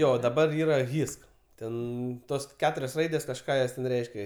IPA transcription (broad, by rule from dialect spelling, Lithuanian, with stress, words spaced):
ˈjoː dɐˈbɐr ˈiːrɐ ˈɣʲɪsk ˈtʲɛn ˈtoːs ˈkʲæːtʊrʲoːs ˈrɐɪdʲeːs kɐʃˈkɑː joːs tʲɛn ˈrʲɛɪʃʲkʲɛ